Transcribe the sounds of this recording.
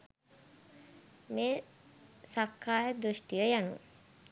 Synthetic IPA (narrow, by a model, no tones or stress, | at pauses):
meː | sakːaːjəd̪ɾuʃʈijəjanṵ